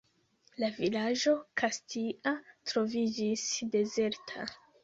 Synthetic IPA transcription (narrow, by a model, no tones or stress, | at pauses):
lavilaʒo̞kʰastiʔatɾo̞vid͡ʒisde̞ze̞ɾtʰa̰